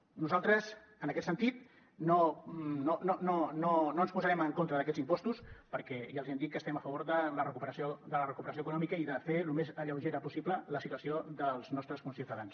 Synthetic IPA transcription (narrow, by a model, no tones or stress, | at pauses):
nuzalˠt̪ɾəz | ənəkɛt̪sənt̪it̪ | nonononononoənspuzəɾɛməŋkont̪ɾəðəkɛd͡zimpɔst̪uspəɾkɛʒalzɛmd̪it̪̚kəst̪ɛməfəβoɾðələrəkupəɾəsiod̪ələrəkupəɾəs̬ioəkunɔmikəiðəfelumezəʎəwʒeɾəpusiplələsit̪uəsiod̪əlˠznɔst̪ɾəskunsiut̪əðans